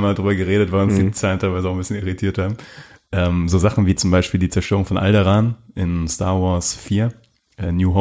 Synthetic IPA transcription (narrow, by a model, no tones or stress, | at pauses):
maːldʁyːbɐɡəʁeːɾətv̥aʁʊnsd̥iːt͡saːləntʰaɪlvaɪzəaʊxnbɪsçjəniʁitʰiːɐthaːbm̩ʔɛːmzoːzaχn̩viːt͡sʊmbaɪʃpiːldiːt͡sɛɐʃtøːʁʊŋfɔnʔa̰ldɛʁaːnʔɪnsta̰ːɐvɔɐsfiːɐ | ʔɛːnjuːɦo